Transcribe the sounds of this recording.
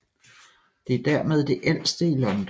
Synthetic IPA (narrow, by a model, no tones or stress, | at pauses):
d̥e̝æɐd̥æɐmeð̞ˠd̥e̝ʔel̰sd̥əilɒ̽nd̥